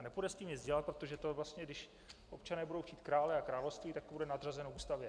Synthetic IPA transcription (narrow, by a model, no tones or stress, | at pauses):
nɛbudɛst̪iːmjɪt͡szɟɛlat̪pɾo̞t̪o̞ʒɛt̪o̞vlast̪ɲɛɡdɪʃ | ʔopt͡ʃanɛːbudo̞wxciːt̪kɾaːlɛakɾaːlofst̪viːt̪akt̪obudɛnad̪r̝azɛnovuːst̪avjɛ